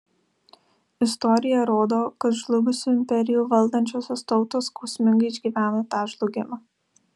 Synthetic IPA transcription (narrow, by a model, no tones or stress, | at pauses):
ɪst̪ɔɾʲɪjɛɾoːd̪oːkɐt̪ʒlˠʊɡʊsʲuːɪmʲpʲɛɾʲɪjuːʋɐlˠd̪ɐnʲt͡ʃʲoːsʲoːst̪ɒʊt̪oːskɔʊsʲmʲɪŋɡɐɪɪʒʲɡʲiːʋʲæːnoːt̪ɑːʒlˠʊɡʲɪmɑ